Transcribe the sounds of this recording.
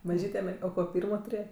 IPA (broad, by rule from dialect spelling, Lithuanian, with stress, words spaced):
mɐˈʒʲiːtʲɛ mʲɛr oː ˈkoː ˈpʲiːrmoː tʊˈrʲeːjɛ